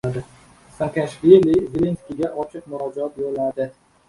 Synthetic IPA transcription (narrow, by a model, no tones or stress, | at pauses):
d̪ɪ | saŋkʰʲaʃvelivɪlenskʲiɡʲaʔɒt͡ʃʰɪq̚mʊɾɒd͡ʒaɒt̪̚boɾɪlaɾd̪ɪ